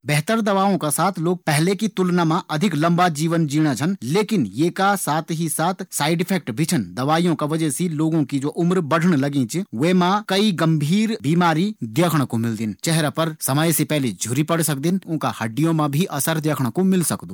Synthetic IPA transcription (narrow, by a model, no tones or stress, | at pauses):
bɛɦt̪əɾd̪ɐʋaːõkasaːt̪ʰloːɡ̚pɛɦlekit̪ʊlnamãʔɐd̪ʱɪklɐ̃mbad͡ʒiːʋənd͡ʒiːɽ̃ad͡ʒʰɐnleːkɪnjeːkasaːt̪ʰɦisaːt̪ʰsaːɪɖɪpʰɛːk̚ʈbʱɪt͡ʃʰənd̪ɐʋaːijõkaʋɐd͡ʒɛsiloːɡõkid͡ʒoːʔʊmɾbɐɽ̤ʱəɽ̃lɐɡĩt͡ʃʋemãkɐiɡɐ̃mbʱiːɾbiːmaːɾid̪jəkʰɽ̃komɪld̪ɪnt͡ʃɛɦɾapɐɾsɐməjsepɛɦled͡ʒʱʊɾipɐɽsɐk̚d̪ɪnʊ̃nka̰hɐɖːijõmãbʱiʔɐsəɾd̪jəːkʰɽ̃komɪlsɐkd̪oː